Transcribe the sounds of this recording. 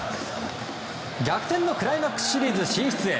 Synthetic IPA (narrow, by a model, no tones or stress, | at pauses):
ɡʲakɯ̟̥t̪ẽ̞nːo̞kɯ̟ɾaimakːɯ̥sɕiɾʲiːzɨɕĩɰ̃ç̥t͡sɨe̞̰